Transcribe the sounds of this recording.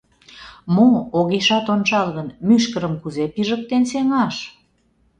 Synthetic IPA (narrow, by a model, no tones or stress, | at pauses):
mooɣeʃɑt̪ont͡ʃɑlɣənmyʃkə̆ɾəmkuzepiʒək̚t̪enseŋɑʃ